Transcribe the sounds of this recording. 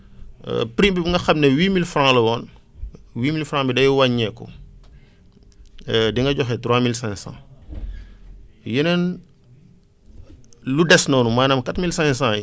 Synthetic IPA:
pɾimbibuŋɡɐxɐmnɛwiːmilfrãːlɐwɔːn | wiːmilfɾãːbidɐjuwaɲːɛkːɔ̰ | diŋɡɐɟɔxɛtɾwaːmilsɛ̃sã̰ | jənɐn | ludɛsnɔːnumaːnɐmkatmilsɛ̃sãji

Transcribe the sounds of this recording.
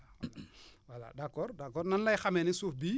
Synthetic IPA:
walwala̰dakɔɾdakɔɾnanlajxamenisufbi

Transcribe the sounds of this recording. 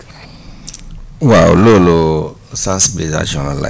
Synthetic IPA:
wao̰lolo | sãsbeza̰d͡ʒɔnala̰

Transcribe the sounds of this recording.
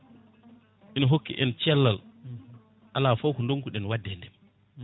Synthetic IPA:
ʔinaɦokːḭʔɛ̰nt͡ʃɛlːal | ʔalaːfowkundoŋkuɗɛnwadːɛndɛm

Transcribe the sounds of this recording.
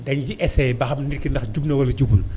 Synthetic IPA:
dɐɲjiʔɛsɛjbɐxɐmnirkindɐxɟubnɐwɐlɐɟubul

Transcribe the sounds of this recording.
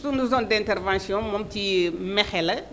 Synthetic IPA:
t̪unuzɔ̃d̪ɛ̃nt̪ɛɾvãsjɔ̃mõp̚t̪imɛxɛlɐ

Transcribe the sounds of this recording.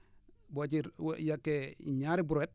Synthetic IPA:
bot͡ʃiɾ̰jakːeḭɲaɾibuɾet̚

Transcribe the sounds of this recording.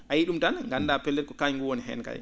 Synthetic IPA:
ʔajiɗumtanŋɡanːdaːpɛlːɛt̚kɔkajŋɡuwoniɦɛ̰ːnka̰j

